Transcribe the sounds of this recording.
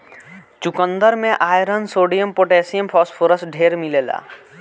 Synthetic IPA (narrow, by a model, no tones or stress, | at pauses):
t͡ʃukə̃nd̪əɾmẽʔaːjɾənsoːɖijəmpoʈɛːsijəmpʰɔːspʰoɾəsɖʱeːɾmileːla̰ː